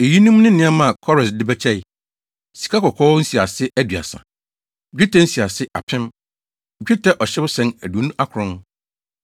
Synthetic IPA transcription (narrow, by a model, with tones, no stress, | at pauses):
e˨ji˦nũ˦m˦nɪ̃˦nɪ̃˦a˦mã˦˨kʰɔ˦ɾɛ˨sdɪ˦bɛ˦t͡ɕʰɛ˦ɪ˨ | si̥˨kʰa˦kɔ˨kʰɔː˦n̩˦si˨a˨sɪ˦ʔæ˦dɥa̰˨sã̰˨ | d͡ʑᶣi˦tʰɛ˦n̩˦si˨a˨sɪ˦ʔa̰˨pʰɪ̃˦m˨ | d͡ʑᶣi˦tʰɛ˦ʔɔ˨ɕɛ˦bʊ˦sɛ̃˦næ˨du˨o˨nũ˦ʔa˦kʰʊ˨ɾʊ̃˦n˦